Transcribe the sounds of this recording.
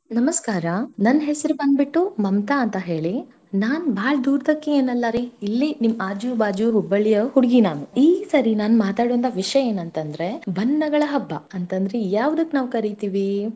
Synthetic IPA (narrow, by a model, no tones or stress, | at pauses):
nɐmɐskaːɾɐnɐnːɦesɐɾubɐnd̪biʈːumɐmt̪aɐnt̪ɐɦe̞ːɭi | naːnbʱaːɭd̪uːɾd̪ɐkːeeːnɐlːɐɾiilːinimːaːd͡ʒubaːd͡ʒuɦubːɐɭijɐhuɽɡinaːnuiːsɐɾinaːnumaːt̪aːɽuʋɐnt̪ʰɐʋiʂjɐe̞ːnɐnt̪ɐnd̪ɾe̞bʱɐnːɐɡɐɭɐɦɐbːɐ̰ɐnt̪ɐnd̪ɐɾejaːʋd̪ɐkːenaːʋkɐɾit̪iːʋi